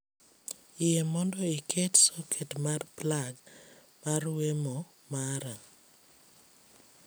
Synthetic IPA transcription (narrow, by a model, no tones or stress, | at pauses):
ɪjemɔndɔikʰetsɔkʰetmarplaɡ | marwemo | maɾa